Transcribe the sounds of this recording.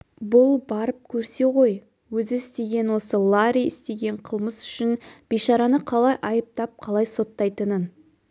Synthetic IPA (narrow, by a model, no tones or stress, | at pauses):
bʊlˠbɑɾəp̚kʲʰɵɾse̞ʁo̞j | wɵzɪɪst̪e̞ɡʲe̞nwo̞səlˠaɾʲijɪst̪e̞ɡʲe̞ɴqʰəlˠməsʏ̥ʃɪnb̥eʃɑɾɑnəqʰɑlˠɑjʔɑjəp̚t̪ɑp̚qʰɑlˠɑjso̞t̪ːɑjt̪ənən